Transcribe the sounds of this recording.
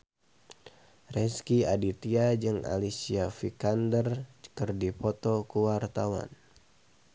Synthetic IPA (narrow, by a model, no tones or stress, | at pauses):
rɛskiadit̪iad͡ʒɨŋa̰lisiafikandərkɨrdipɔt̪ɔkuwart̪awa̰n